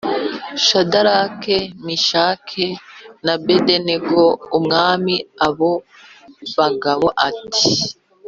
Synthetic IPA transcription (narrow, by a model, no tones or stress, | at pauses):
ʃadaɾakemiʃaːkʰenabedeneɡoumŋaːmiaβo | βaɡaβo̞ʔati̥